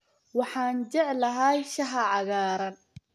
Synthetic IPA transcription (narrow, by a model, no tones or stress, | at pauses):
wɑħɑːnt͡ʃɛʕlɐɦɐːjʃɐɦɐʕɑɣaːɾɐn